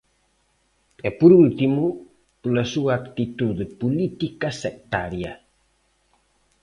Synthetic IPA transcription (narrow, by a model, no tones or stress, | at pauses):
ɛpuɾult̪imu | pulɐsuaːkt̪it̪uðepulit̪ikɐsɛk̚t̪aɾja